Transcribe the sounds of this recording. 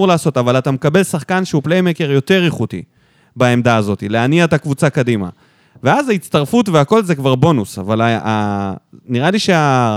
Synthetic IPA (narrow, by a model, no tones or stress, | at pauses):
uʁlaːso̞tavalat̪amekabe̞lsaχkanʃeuplejmeke̞ʁjo̞t̪e̞ʁiχut̪ḭ | bae̞md̪aːzo̞t̪ileaniaet̪akvut͡sakadima̰ | veazaitt͡st̪aʁfutveako̞lzekvaʁbo̞nusa̰valaa | niʁaliʃea